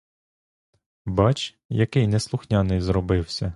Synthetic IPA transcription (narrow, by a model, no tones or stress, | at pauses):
bɑt͡ʃ | jɐkɪjnɛslˠʊxnʲɑnɪjzrɔbɪwsʲɐ